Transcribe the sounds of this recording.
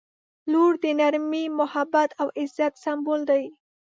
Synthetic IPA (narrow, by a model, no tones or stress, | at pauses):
luɽd̪ənaɾmimʊhabat̪ʰawɪzat̪sambold̪aj